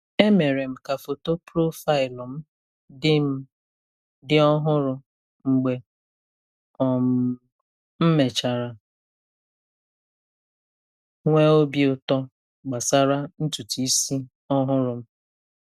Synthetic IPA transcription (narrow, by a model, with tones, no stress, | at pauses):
e˦me˨ɾe˨m̩˨ka˨fo˨to˦pɾo˦fa˦ɪ˨lɔ˨m̩˦ | dɪ˦m̩˦ | dɪ˦ɔ˦ɦʊ˦ɾʊ˨ | ŋ͡m̩˨ɡ͡be˨ | ɔ˨m̩˨ | m̩˦me˨t͡ʃa˨ɾa˨ | ŋʷe˦o˦bi˦ʊ˨tɔ˦ | ɡ͡ba˨sa˦ɾa˦n̩˦tu˨ti˨i˦si˦ | ɔ˦ɦʊ˦ɾʊ˨m̩˦